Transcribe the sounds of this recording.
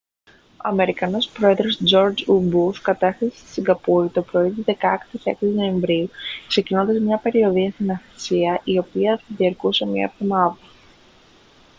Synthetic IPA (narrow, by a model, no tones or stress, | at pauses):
o̞ɐme̞ɾikɐno̞spɾo̞e̞ðɾo̞sd͡ʒo̞ɾd͡ʒubuskɐt̪ɐsθɐsi̥st̪i̥siŋɡɐpuit̪o̞pɾo̞it̪iðe̞kɐkt̪isḛkino̞e̞ɱvɾiukse̞cino̞nd̪ɐzmɲɐpe̞ɾio̞ðiɐst̪inɐθsiɐʔio̞piɐfɐðiɐɾkusemɲɐ̰epðomɐðɐ